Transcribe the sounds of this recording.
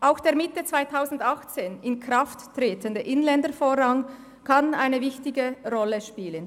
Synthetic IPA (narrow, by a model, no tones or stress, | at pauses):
ʔaʊxd̥eːɐmɪtət͡sv̥aɪtʰaʊzn̩dɑxt͡seːnɪnkʁaftːreːtəndəʔɪnlɛndəɾfoːɾaŋ | kʰana̰ɪnəvɪçtɪɡəʁɔləʃpiːlən